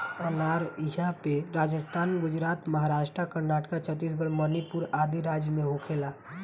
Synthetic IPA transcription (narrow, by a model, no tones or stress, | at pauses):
ənaːɾiɦapeɾaːd͡ʒəst̪ʰaːnɡʊd͡ʒɾaːt̪məɦaɾaːʃʈɾakəɾnaːʈkat͡ʃʰət̪iːs̬ɡəɭmənipuɾaːd̪iɾaːd͡ʒjəmẽɦokʰeːla